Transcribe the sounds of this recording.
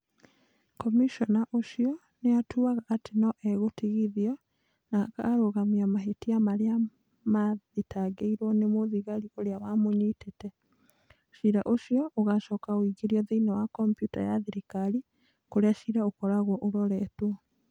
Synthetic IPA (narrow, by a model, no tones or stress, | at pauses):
kɔmiʃɔnaʔoʃiɔ | neatʰuaɣaʔatenɔʔɛɣotiɣiðiɔ | naka̰ːɾoɣamiamaɦetiamaɾea | maðetaɡeiɾwɔnemoðiɣaɾioɾeawamoɲitetɛ | ʃiɾaʔoʃiɔʔoɣaʃɔːkawiɡeɾiɔðeinawakɔmpjuta̰jaðiɾekaɾi | koɾeaʃiɾaokɔɾaɣwɔʔoɾɔɾɛtwɔ